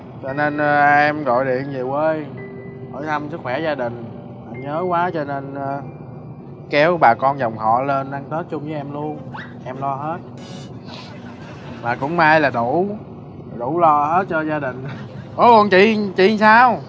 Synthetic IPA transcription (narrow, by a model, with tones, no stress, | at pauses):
t͡ɕɔ˧ne˧nː˧ʔɛ˧mɣo̰˧˨jɗḭ˧˨ənzi˨˩wəː˨˧˦j | ho̰˧˩˦jt̪ʰə˧msɨ˦˥k̚xwɛ˧˩zaː˧ɗï˨˩ŋ̟ | ʔa˧˩ɲəː˨˦kwaː˨˦t͡ɕɔ˧ne˧n˧ | kɛ˨˦wɓaː˨˩kɔ˧nzɔ˨˩wŋ͡mɦɔ̰˧˨le˧nɗa˧ŋt̪oː˦˥t̚t͡ɕʊ˧ŋ͡mzɨː˨˦ʔɛ˧mlu˧ən | ʔɛ˧mlɔ˧ɦe˦˥t̚ | maː˨˩kʊ̰˧˥ŋ͡mmaː˧jlaː˨˩ɗu˧˩˦ | ɗu˧˩lɔ˧he˦˥t̚t͡ɕɔ˧zaː˧ɗï˨˩ŋ̟ʔo˧˦kɔ˨˩nt͡ɕḭ˧˨t͡ɕḭ˧˨saː˧w